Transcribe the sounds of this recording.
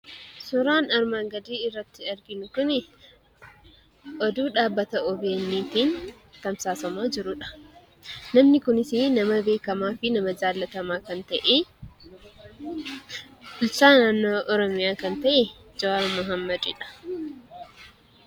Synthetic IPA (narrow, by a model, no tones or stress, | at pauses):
sʊɾaːnɐɾmaːŋɡɐd̪iːɪrːɐt̪ːɪɐɾɡɪnʊkʊnɪ | ʔɔd̪uːᶑaːbːɐt̪ɐʔɔbeːnːiːt̪iːn | t̪ɐmsaːsɐmaːd͡ʒɪɾʊᶑɐ̥ | nɐmnɪkʊnɪsɪnɐmɐbe̞ːkɐmaːfɪnɐmɐd͡ʒaːlːɐt̪ɐmaːkɐnt̪ɐʔe | ʊlsaːnaːnːoːʔɔɾɔmɪjaːkɐnt̪ɐʔɛ | d͡ʒɐwaɾmɐɦɐmːɐd̪ɪ̰ᶑɐ̥